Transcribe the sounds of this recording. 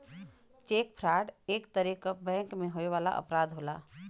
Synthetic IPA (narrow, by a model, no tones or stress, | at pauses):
t͡ʃeːk̚pʰɾaːɖeːkt̪əɾikabɛ̃ːŋkmẽɦoeʋaːla̰ʔə̰pɾaːd̪ɦoːlaː